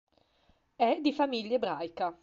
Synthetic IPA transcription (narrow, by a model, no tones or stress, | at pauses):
ɛd̪ifamiʎːaebɾajka